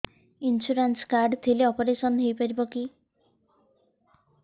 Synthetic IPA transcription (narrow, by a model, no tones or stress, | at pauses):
insuɾanskaɾɖt̪ʰileɔpɔɾesɔnɦejpɔɾibɔki